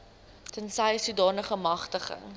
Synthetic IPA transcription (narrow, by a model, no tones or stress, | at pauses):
tənsɐjsudɑːnəχəmɐχtəχə̰ŋ